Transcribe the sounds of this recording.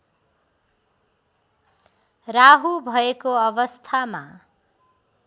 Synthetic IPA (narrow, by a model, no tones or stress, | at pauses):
raɦubʱʌekoʌβʌst̪ʰama